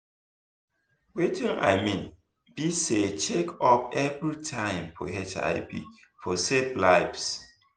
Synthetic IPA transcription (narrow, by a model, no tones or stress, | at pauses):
wetʰĩŋa̰ɪmĩn | b̥iset͡ʃekʰɔpɛvɹitʰãɪ̃mpʰo̰hɛt͡ʃa̰ɪbḭ | fʰoseplaɪps